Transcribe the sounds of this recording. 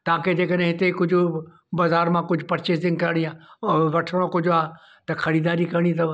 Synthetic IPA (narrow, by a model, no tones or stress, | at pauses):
t̪ãːked͡ʑeːkəɗ̃ɦɪt̪ekʊd͡ʑʱʊ | baːzaːɾmãkʊd͡ʑʱʊpɐɾt͡ʃesd̪ɪ̃ŋkɐɾɽ̃iaːʋɐʈʰəɽ̃okʊd͡ʑʱaː | t̪ɐxʰɐɾiːd̪aːɾikɐɾɽ̃ĩt̪ɐ